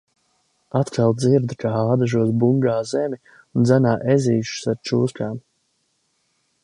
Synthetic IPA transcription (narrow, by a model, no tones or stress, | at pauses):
at̪kʰalˠd̪ziɾd̪kaaːd̪aʒuɔs̬buŋɡaːzɛmi | und̪zænaːʔɛziːʃu̥saɾt͡ʃuːskʲaːm